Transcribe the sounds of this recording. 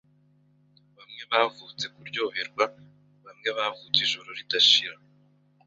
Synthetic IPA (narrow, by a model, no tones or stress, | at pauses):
βamŋe̞βaːvut͡se̞kuɾɟo̞ːβeɾɡwa | βamŋe̞βaːvut͡siʒoɾoɾidaʃiɾa